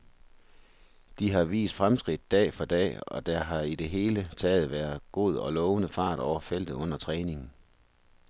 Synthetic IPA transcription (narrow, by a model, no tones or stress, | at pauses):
d̥iɦɑ̈ʋḭːsd̥fʁamsɡ̥ʁid̥̚ːɛ̰ːfɒ̽d̥ɛ̰ːɒ̽d̥ɑɦɑ̈id̥e̝ɦe̝ːlət͡sʰɛːð̞̩ˠʋæːɐðˠɡ̥o̝ð̞̰ˠɒ̽lɒːʊənəfɑ̰̈ːd̥ɒʊ̰ɐfel̰d̥ð̩ˠɔ̽n̰ɐt͡sʰʁɛːne̝ŋn̩